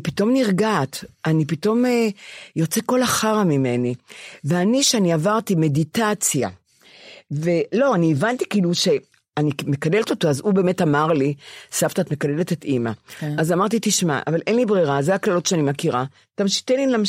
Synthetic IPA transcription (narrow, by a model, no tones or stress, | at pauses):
pito̞mniʁɡaːt̪anipito̞mejo̞t͡seko̞laχaʁamime̞niveaniʃeaniavaʁtime̞ditat͡sja̰ | ve̞lo̞anievanti̥kiːluʃe̞ | anime̞kalelt̪o̞t̪oazube̞ːme̞tamaʁlisaftaːtme̞kaleletetimaazamaʁt̬itiʃma̰ʔa̰valʔe̞nlibʁeʁazeaklalotʃeanimakiʁa | tamʃi̥t̪elinlam